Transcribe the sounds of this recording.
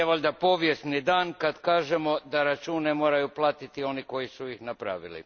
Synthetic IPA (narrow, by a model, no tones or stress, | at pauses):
eʋoʎʲd̪apo̞ʋjest̪nid̪aːnkad̪kaːʒemo̞d̪aɾat͡ʃuːnːemo̞ːɾajuplˠaːt̪it̪io̞niko̞jisuixnapɾa̰ʋḭlḭ